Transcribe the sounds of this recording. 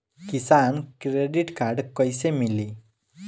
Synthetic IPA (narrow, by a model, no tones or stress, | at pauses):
kisankɾeɖiʈkaɾɖkɔjsemili